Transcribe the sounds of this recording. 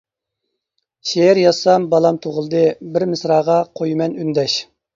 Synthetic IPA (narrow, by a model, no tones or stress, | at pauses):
ʃejɪɾjɑsɑmbɑlˠɑmt̪ʰoʁəlˠd̪ɨbɪɾmɪsɾɑːʁɑqʰojmɛnynd̪ɛʃ